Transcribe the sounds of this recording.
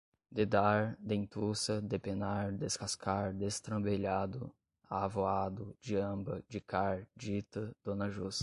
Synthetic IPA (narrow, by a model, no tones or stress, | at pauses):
d̪ed̪aɾd̪ẽt̪usɐd̪epenaɾd̪eskaskaɾd̪est̪ɾɐ̃beʎad̪ʊ | aːvoad̪ʊd͡ʒiɐ̃bɐd͡ʒɪkaɾd͡ʒit̪ɐd̪̥õnɐʒus